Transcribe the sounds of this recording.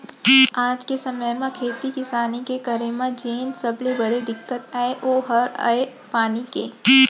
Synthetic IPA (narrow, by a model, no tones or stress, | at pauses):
aːd͡ʒkesɐməjmãkʰeːt̪ikɪsaːnikekɐɾemãd͡ʒeːnsɐblebɐɽed̪ɪkːət̪aːeʔoːɦɐɾa̰epaːnikeː